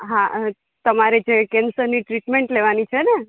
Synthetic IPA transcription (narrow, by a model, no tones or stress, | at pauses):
ɦã | t̪əmaɾed͡ʒekɛnsəɾniʈɾiʈmeɳʈleʋanit͡ʃʰɛnɛ